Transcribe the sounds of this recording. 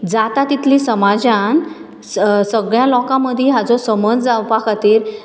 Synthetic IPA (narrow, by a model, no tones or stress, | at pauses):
d͡zat̪at̪it̪lĩsəmad͡ʑãn | səɡɭjãlɔkãməd̪ʱjiɦat͡sɔsəməd͡zd͡zaʋpakʰat̪iːɾ